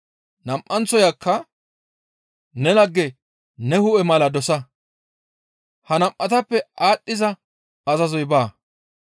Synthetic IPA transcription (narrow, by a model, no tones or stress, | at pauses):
nɐmʔːɐnt͡sɔjakːɐ | nɛnɐɡːɛ | nɛhʊʔɛmɐlɐd̪ɔsɐ | hɐnɐmʔɐt̪ɐpːɛʔaːɗʼːɪzɐ | ɐzɐzɔjbaː